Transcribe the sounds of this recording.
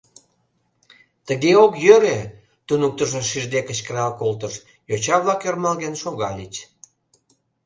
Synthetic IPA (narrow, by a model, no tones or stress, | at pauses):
t̪əɣeokjøɾe | t̪unuk̚t̪əʒəʃiʒd̪ekə̆t͡ɕkəɾɑlkolt̪əʃ | jot͡ɕɑβlɑkjermɑlɣenʃoɣɑlʲit͡ɕ